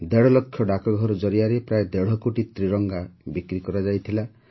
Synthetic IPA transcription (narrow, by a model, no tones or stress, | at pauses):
d̪eɽ̤ɔlɔkʰjɔɖakɔɡʱɔɾɔd͡ʒɔɾiaɾepɾaed̪eɽ̤ɔkoʈit̪ɾiɾɔŋɡabikɾikɔɾad͡ʒajt̪ʰila